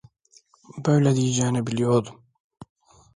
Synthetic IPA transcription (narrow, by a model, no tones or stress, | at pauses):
bœwlɛd̪iːd͡ʒæːnɛbilijoːd̪um